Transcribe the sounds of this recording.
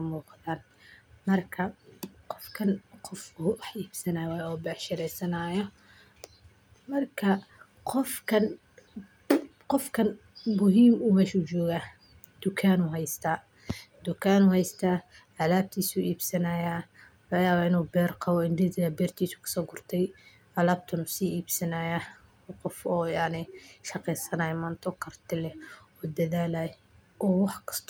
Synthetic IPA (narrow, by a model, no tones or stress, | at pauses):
kɐmuːqɑðaːn | mɐrkʰɐqɔfkʰɐnqɔfuʔɐħʔiːbsɐnajwaːjɔːbɛːʃɪɾɛjsɐnaːjɔ | mɐrkʰɐ | qɔfkʰɐn | qɔfkʰɐnmʊɦiːmuːmɛːʃud͡ʒɔːɣaː | d̪̥ʊkʰaːnuɦɛjst̪ʰaː | d̪ʊkʰaːnʊːhɛjst̪ʰaː | ʔalaːb̚t̪ʰiːsuːʔiːbsɐnaːjaː | lʊjaːβaːɪnuːbɛːrqɑβɔɪnd̪ɪd̪ɪjɐbɛːrt̪ʰiːsʊ̥kʰɐ̥sɔːɡʊrt̪ʰɛj | ʔalaːb̚t̪ʰɐnʊsiːiːbsɐnaːjaː | qɔfɔːjɑʕnɪʃɑqɛjsɐnɐːjɐmaːnt̪ʰɔkʰɐrt̪ʰɪlɛɔːd̪ɐðaːlaːj | ʔɔːwɑħkʰɐ̥st̪ʰː